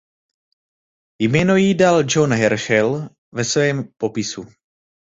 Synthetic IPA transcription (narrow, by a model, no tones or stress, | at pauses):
jmɛːnojidald͡ʒonɦɛɾʃɛl | vɛsvɛːmpo̞pɪsu